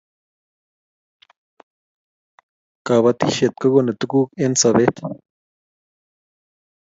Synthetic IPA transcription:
ka˨βa˧t̪i˦ʃe˨t̪̚ka˦ɡo˦ne˨t̪u˦ku˦ke˦nt͡sa˨βe˦t̪

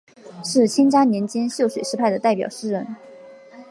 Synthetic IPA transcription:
ʂɻ̩˥˩t͡ɕʰi˥ŋʈ͡ʂa˥njɛ˧˥nt͡ɕɛ˥nɕjo˥˩ʊʂwe˨˩ɪʂɻ̩˥pʰa˥˩ɪd̪ə˩t̪a˥˩ɪpjɑ˨˩ʊʂɻ̩˥ɻə˧˥n

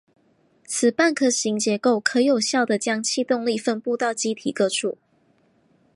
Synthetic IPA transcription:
t͡sʰɹ̩˨˩pa˥˨nkʰɤ˧˩ɕi˧˥ŋt͡ɕjɛ˧˥ko˥˨ʊkʰɤ˨˧˥jo˨˩ʊɕjɑ˥˩ʊd̪ə˨t͡ɕjɑ˥ŋt͡ɕʰi˥˧t̪ʊ˥˧ŋli˥˨fə˥˧npu˥˧t̪ɑ˥˩ʊt͡ɕi˥t̪ʰḭ˨˩kɤ˥˧ʈ͡ʂʰṵ˥˩

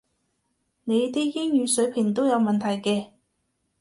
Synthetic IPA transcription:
ne˨˧jt̪i˥jɪ˥ŋjyː˨˧sɵ˨˥ɥpʰɪ˨˩ŋt̪o˥wjɐ˨˧wmɐ˨nt̪ʰɐ˨˩jkɛː˧

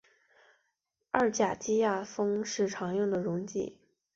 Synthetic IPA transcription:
ɐ˞˥˩t͡ɕja˨˩t͡ɕi˥ja˥˩fɤ˥ŋʂɻ̩˥˩ʈ͡ʂʰɑ˧˥ŋjʊ˥˩ŋd̪ə˩ɻʊ˧˥ŋt͡ɕḭ˥˩

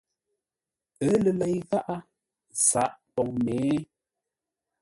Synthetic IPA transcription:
ə˨˦lə˨lɛ˨jɣa˦ʔa˦ | sa˨˦ʔpɔ˨ŋmeː˨˦

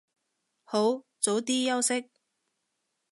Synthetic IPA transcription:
ho˨˥w | t͡so˨˥wt̪iː˥jɐ˥wsɪ˥k̚

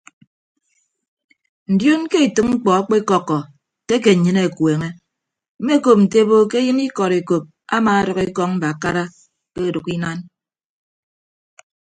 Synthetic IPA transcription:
n̩˨djo˦n˦ke˦i˨tɨ˦ŋŋ͡m̩˦k͡pɔ˨a˦k͡pe˦e˦kɔ˦kːɔ˨ | te˦k̬e˨ɲɨ˦ne˦˨kwe˨ŋe˦ | m̩˦me˦ko˨p̚n̩˨te˦bo˦ke˦jɨ˦ni˦kɔ˨ɾe˨ko˨p̚ | a˦maː˨˦ɾɔ˨ke˦kɔ˦ŋm̩˦ba˨a˨ka˦ɾa˦ | ke˦˨du˨ki˦na˦n

